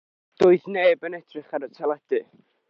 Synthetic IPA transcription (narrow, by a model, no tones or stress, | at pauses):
d̥oːɨðneːbənɛtʰrɪχaɾətʰɛlˠɛd̥ɨ